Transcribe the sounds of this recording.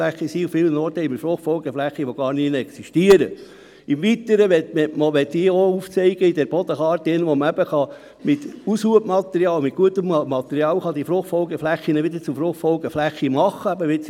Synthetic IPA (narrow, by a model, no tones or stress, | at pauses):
æχːisiːufɪːlənɔrt̪əɪməɾfɾʊχtfɔlɡəflæχːiʋɔɡ̥ɑːɾninɛksiʃtiəɾə | ɪmʋit̪əɾəʋɛtmɛmoʋɛt̪diəouft͡sɛɪɡ̥əid̪ɛɾb̥ɔd̪əχɑːɾt̪ɪnʋɔməæbəχɑ | mɪt̪usuəpmɑt̪ɛɾiɑːlmɪt̚ɡ̥uət̪əmmɑt̪ɛɾiɑːwχɑd̪ifɾʊχfɔlɡəflæχːinəʋɪd̪əɾt͡sufɾʊχtfɔlɡəflæχːimɑχːəæbəʋɪs